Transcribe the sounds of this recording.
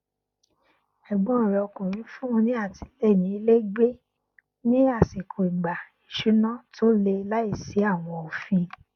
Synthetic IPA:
ɛ˨ɡ͡bɔ̃˨˦˨ɾɛ˨˧ɔ˧kũ˨ɾĩ˨˦fũ˦õ˧nĩ˦a˦˨ti˧le˦˨nĩ˨˦i˧le˦ɡ͡be˦ | nĩ˦a˦˨si˨kʰo˨i˨ɡ͡ba˨ | i˨ʃu˨˦nã˦tʰo˦le˧la˦i˦˨si˨˦a˦˨w̃ɔ̃˧o˨fĩ˧

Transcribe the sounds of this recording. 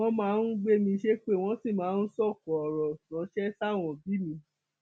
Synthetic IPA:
w̃ɔ̃˦mãː˦˧˦n̩˦ɡ͡be˦mĩ˧ʃe˦k͡pe˦˨w̃ɔ̃˦si˦˨mãː˨˦n̩˦sɔ˦˨kɔ˨ɔ˨ɾɔ˨nã˨˦ʃɛ˦sa˦˨w̃ɔ̃˨bi˦mĩ˧

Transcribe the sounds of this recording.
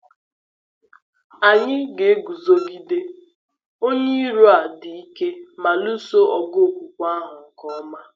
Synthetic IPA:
a˨ɲɪ˦ɡe˨e˦ɡu˨zo˦ɡi˦de˦ | o˦ɲe˦i˦ɾo˦a˨dɪ˨i˦ke˦ma˨lu˦so˦ʔɔ˨ɡo˦˨kʷu˨kʷa˦ɦʊ˨ŋ̩˨kɔ˦ma˦

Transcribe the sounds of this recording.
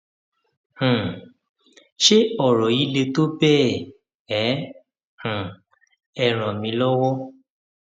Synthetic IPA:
h̩˨ | ʃe˦ɔ˨ɾɔ˨i˨˦le˧to˦bɛː˦˨ | ɛ˨˦ | h̩˨ | ɛ˧ɾ̃ɔ̃˨mĩ˧lɔ˦wɔ˦

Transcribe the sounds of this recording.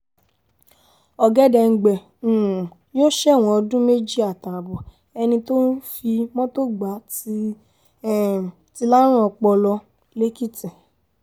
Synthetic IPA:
ɔ˨ɡɛ˦dɛ˧ŋ̩˨ɡ͡bɛ˨ | ũ˨ | jo˦ʃɛ˦˨w̃ɔ̃˧ɔ˧dũ˦me˦d͡ʒi˦˨a˨tã˨bɔ˨ | ɛ˧nĩ˧to˦fi˧mɔ̃˦to˦ɡ͡ba˨˦ti˦ | ti˧˦la˦ɾ̃ũ˦ɔ˧k͡pɔ˧lɔ˧ | le˦ki˦tɛ̃˨

